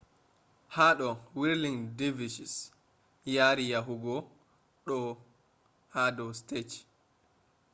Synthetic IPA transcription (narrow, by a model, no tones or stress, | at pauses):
haɗɔwiɾliŋdivisis | jaːɾijaɦuɡɔ | ɗɔ | hadɔstet͡ʃ